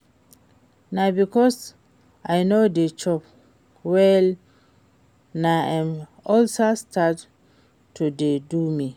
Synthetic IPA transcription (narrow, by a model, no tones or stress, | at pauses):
nabikɔs | ajnodet͡ʃɔp | wɛl | naãm | ɔlsastat | tːudedumi